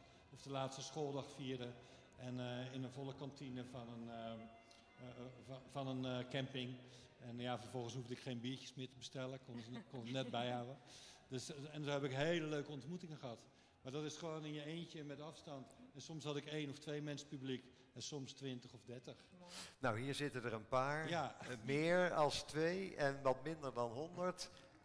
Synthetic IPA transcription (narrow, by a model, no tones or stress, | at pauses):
ɔfdəlaːtstəsxoːlˠdɑxfiədə | ʔɛnɪnənvɔləkɑntʰinəfɔnən | fɔnənkɛmpɪŋ | ɛnjafərvɔlˠɣənshuvdəɪkxeːnbiəcjəsmɪːtəbəstɛləkonkɔnətnɛt̚bɛjhawədøsɛnzohɛbɪkɦeːləløːkəɔntmutɪŋənχəhɑt | maːɹdɔtɪsχəʋoːnɪnjəeːntjəmɛtɑfstɑntɛnsɔmshɑdɪkeːnɔftʋejmɛnsəpyblik | ɛnsɔmstʋɪntəχɔfdɛtəx | nawɦiːɹzɪtədərənpaːɹjamɪːɹɑlˠstʋejɛnʋɑtmɪndəɹdɑnɦɔndəɹt